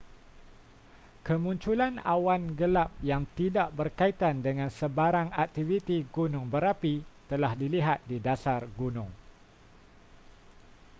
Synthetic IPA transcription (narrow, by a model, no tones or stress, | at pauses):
kəmũɲt͡ʃulanawanɡəlap̚jaŋt̪idaʔbərkait̪andəŋãnsəbaɾaŋak̚t̪ivit̪iɡunʊŋbəɾapit̪əlahdiliɦat̪̚didasarɡunʊ̃ŋ